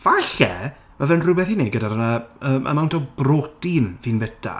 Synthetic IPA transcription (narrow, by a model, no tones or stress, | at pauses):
v̥aɬɛ | mavɛnrɨbɛθhiːniɡədaɾənaəːmʔa̰mawntʰɔbrotinviːnbɛtʰa̰